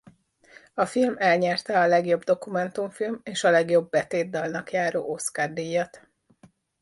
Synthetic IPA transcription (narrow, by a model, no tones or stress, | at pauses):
ɒfilmɛlɲɛrt̪ɛɒlɛɡjo̞bd̪o̞kumɛnt̪uɱfilmeːʃɒlɛɡjo̞bːɛt̪eːd̪ːɒlnɒkjaːɾo̰ːʔo̞skard̪ijɒt̪